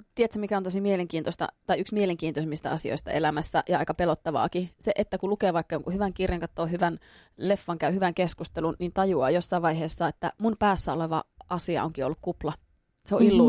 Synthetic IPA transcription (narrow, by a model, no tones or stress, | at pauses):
t̪iet̪sæmikæont̪osimieleŋkiːnt̪osʲt̪ɑ̰t̪ɑiyksmieleŋkiːnt̪osemːist̪æ̰ɑsio̰ist̪ɑ̰elæmæsːæʔjɑɑikɑpelot̪ːɑʋɑ̰ːkiseʔet̪ːækulukeːʋɑikːɑjoŋkuhyʋæŋkirjɑŋkɑt̪ːoːhyʋænlefːɑŋkæyhyʋæŋkeskust̪elunniːnt̪ɑjuɑ̰ːjosːɑiʋɑiɦeːsːɑet̪ːæ̰munpæːsːæoleʋɑ̰ʔɑsiɑ̰ʔoŋkio̰lːukkuplɑ | seoʔilːu